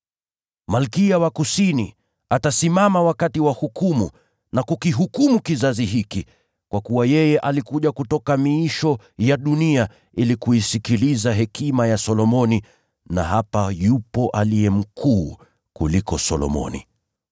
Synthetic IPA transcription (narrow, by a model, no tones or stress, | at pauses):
malkiawakusinḭ | atasimamawakatiwahukumu | nakukiɦukumukizaziɦiki | kwakuwajɛjɛʔalikuʄakutɔkamiiʃɔ | jaɗunia | ilikuisikilizaɦɛkimajasɔlɔmɔni | na̰ɦapajupɔʔaliɛm̩kʰuː | kulikɔsɔlɔ̰mɔ̰nḭ